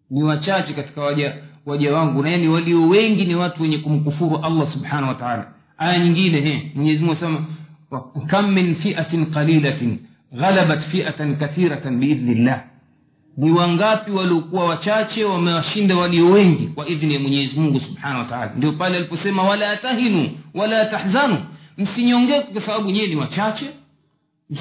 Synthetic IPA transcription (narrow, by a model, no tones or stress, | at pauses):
niwat͡ʃat͡ʃɛkati̥kawaʄawaʄawaŋɡunajaniwaliɔwɛŋɡiniwatuwɛɲɛkum̩kufuɾuʔalˤːasubħanahwataʕaːla̰ | ajaɲiŋɡinɛɦɛmwɛɲɛzimuŋɡuasɛma | kamːinfiʔaqaliːla | ɣalaɓatfiʔatnkaθiɾabiiðnilːaːh | niwaŋɡapiwaliɔkuwawat͡ʃat͡ʃɛwamɛwaʃindawaliɔwɛŋɡikwaʔiðnijamwɛɲɛɛzimuŋɡusubħanawataaːla̰ndiɔpalɛalipɔsɛmawalaatahinuwalaataħzanum̩siɲɔŋɡɛkɔkwasaɓaɓuɲɛɛniwat͡ʃat͡ʃɛ